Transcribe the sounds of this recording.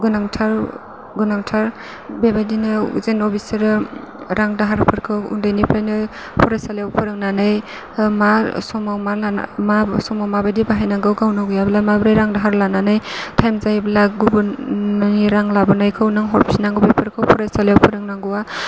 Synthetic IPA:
ɡɯnaŋtʰaɾ | ɡɯnaŋtʰaɾ | bebadinɯzenɔbʰisiɾ | ɾaŋdaɦaɾpʰɯɾkʰɯwṵndajnipʰajnɯ | pʰɔɾajsaljawpʰɯɾɯŋnanɯj | masɔmawmala̰masɔmawmabadibaɦajnaɡɯwɡawnaɡjablamabɾajɾaŋdaɦaɾlananɯjtʰajmzablaɡubuaniɾaŋlabɯnajkʰɯwnɯŋɦɔɾpsinaŋɡubepʰɯɾkʰɯwpʰɔɾajsaljawpʰɯɾɯŋnaŋɡɯwa

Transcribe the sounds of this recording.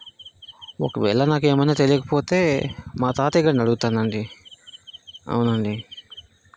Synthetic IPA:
ɔ̰kɐʋɛ̰ːɭɐnaːke̞ːmɐnnaːt̪e̞lijkɐ̥po̞ːt̪e̞ːmaːt̪aːt̪iɡɐːnɐɽuɡut̪aːnd̪ɐɳɖi | ɐ̰wunɐɳɖi

